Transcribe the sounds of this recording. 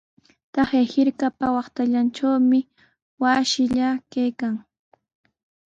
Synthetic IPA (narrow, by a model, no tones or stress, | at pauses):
t̪ɑχejhɪɾkapawɑχt̪aʎanʈ͡ʂawmɪ | wasɪʎakajkaŋ